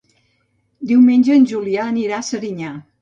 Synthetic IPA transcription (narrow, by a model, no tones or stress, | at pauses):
d̪iwmenʲd͡ʒəːnʲʒuliaəniɾaəsəɾiɲa